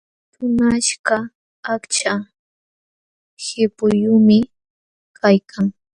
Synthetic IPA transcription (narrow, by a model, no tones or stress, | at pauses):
tʊnaʃkaː | kt͡ʃa | hɪpʊjʊmɪ | kʰajkʰaŋ